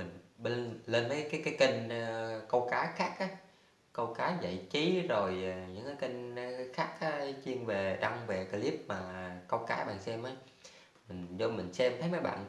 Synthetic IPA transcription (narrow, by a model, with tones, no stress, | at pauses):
mi˨˩ŋ̟ɓe˧nle˧nməː˨˦jkaː˨˦jkaː˨˦jki˧ŋ̟˧kə˧wkaː˨˦jxaː˦˥k̚ʔaː˨˦ | kə˧wkaː˨˦˧və̰˧˨jt͡ɕi˨˦zo˨˩jɲɨ̰˧˥ŋkaː˨˦jki˧ŋ̟˧xaː˦˥k̚ʔaː˨˦t͡ɕi˧əŋve˨˩ɗa˧ŋve˨˩kə˧li˦˥p̚maː˨˩kə˧wkaː˨˦jɓa̰ː˧˨nsɛ˧mʔə˨˦j | mï˨˩ŋ̟zo˧mï˨˩ŋ̟sɛ˧mt̪ʰə˨˦jmaː˨˦jɓa̰ː˧˨n